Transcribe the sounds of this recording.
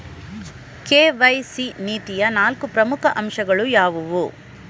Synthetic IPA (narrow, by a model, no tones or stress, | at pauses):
keːʋɐjsiniːt̪ijɐnaːlkupɾɐmukʰɐʔɐmʃɐɡɐɭujaːʋuʋu